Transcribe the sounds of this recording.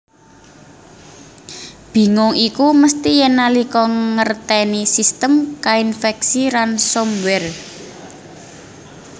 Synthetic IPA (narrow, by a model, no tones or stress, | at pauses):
b̥i̤ŋʊŋikuməst̪ijɛnalikɔŋərt̪ɛnisist̪əmkainfɛk̚silansomwɛr